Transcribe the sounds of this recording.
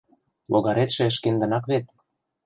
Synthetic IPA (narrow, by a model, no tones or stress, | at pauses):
loɣɑɾet̪ʃĕə̆ʃkend̪ə̆nɑkβet̪̚